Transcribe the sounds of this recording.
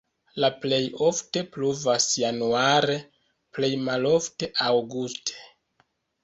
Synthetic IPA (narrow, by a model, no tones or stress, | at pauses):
laple̞jo̞fte̞pluvasjanuaɾe̞ | ple̞jmalo̞fte̞ʔawɡustʰe̥